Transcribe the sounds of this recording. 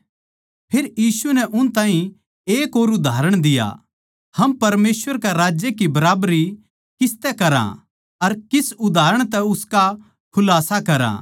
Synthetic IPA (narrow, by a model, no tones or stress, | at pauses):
pʰɪɾjiːsunɛʔʊnt̪ãːɦĩ | eːkoːɾʊd̪ʱaːɾəɽ̃d̪ɪja̰ | hɐmpɐɾmeːsʋəɾkaɾaːd͡ʒjɐkibɐɾaːbɾi | kɪst̪ɛkɐɾa̰ | ɐɾkɪsʊd̪ʱaːɾəɽ̃t̪ɛʊska | kʰʊlaːsakɐɾa̰